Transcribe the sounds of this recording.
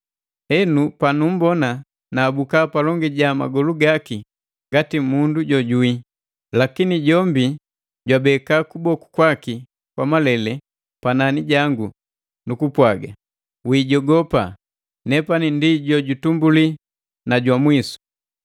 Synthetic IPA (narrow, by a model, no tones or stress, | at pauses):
ɛnupanum̩bɔna | naːbukapalɔŋɡiɟama̰ɡɔluɡaki | ŋɡatimunduɟɔɟui | lakiniɟɔmbi | ɟwabɛkaːkubɔku̥kwaki | kwamalɛlɛ | pananiɟaŋɡu | nukupwaɡa | wiːɟɔɡɔpa | nɛpanindiɟɔɟutumbuli | naɟwamwisu̥